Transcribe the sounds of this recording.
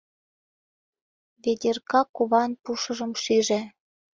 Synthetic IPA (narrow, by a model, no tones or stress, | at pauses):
βed̪ʲerkɑkuβɑnpuʃɤ̆ʒɤ̆mʃiʒĕ